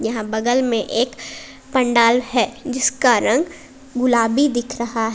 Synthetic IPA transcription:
jɐɦãbɐɡəlmẽʔeːk | pɐ̃ɳɖaːlɦɛd͡ʒɪskaɾɐ̃ŋɡ | ɡʊlaːbid̪ɪkʰɾɐɦaɦɛ

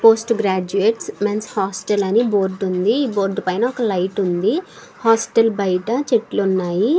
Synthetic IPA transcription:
po̞ːsʈɡɾaːd͡ʒuʋeːʈsmɐnshaːsʈɐlɐnibo̞ːɾɖund̪iiːbo̞ːɾɖpɐjnaːɔkɐlɐjʈund̪i | haːsʈɐlbɐjʈɐt͡ʃeʈlunːaːji

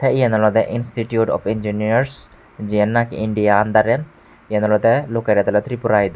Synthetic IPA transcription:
tʰɛiɛnɔlɔd̪ɛʔinsʈiʈjuʈɔ̰find͡ʒiniaɾs | d͡ʒiɛnːakḭɳɖijaːnd̪aɾɛ | iɛnɔlɔd̪ɛlokeɾɛt̪ɔlɛt̪ɾipuɾajd̪

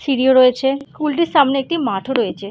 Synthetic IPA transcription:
siɽioɾɔet͡ɕʰeskulʈiɾʃamneek̚ʈimaʈʰoɾɔet͡ɕʰe

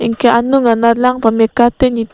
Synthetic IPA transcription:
iŋkeanuŋanalaŋpamekat̪ɛɲi

